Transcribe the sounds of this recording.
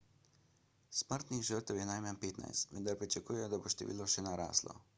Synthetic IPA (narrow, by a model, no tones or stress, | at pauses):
sməɾt̪niɣʒəɾt̪əwjɛnajmanpeːt̪na̰jst̪ʋənd̪aɾpɾit͡ʃakuːjɛjɔd̪aboʃt̪ɛ̰ʋḭːlɔʃɛnaɾa̰ːslɔ̰